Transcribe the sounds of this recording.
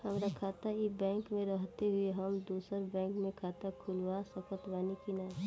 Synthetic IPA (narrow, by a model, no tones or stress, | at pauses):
hɐmɾakʰaːt̪aibɛ̃ːŋkmẽɾəɦt̪eɦʊeɦəmd̪uːsəɾbɛ̃ːŋkmẽkʰaːt̪akʰʊlwasəkət̪ʋaːnikina